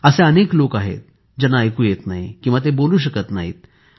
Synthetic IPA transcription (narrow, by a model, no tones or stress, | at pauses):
əsẽəneklokaɦḛt̪̚ | d͡ʑənːaːjkuːjet̪naɦikĩũʋat̪eboluːɕ̬əkət̪na̰ɦḭːt̪̚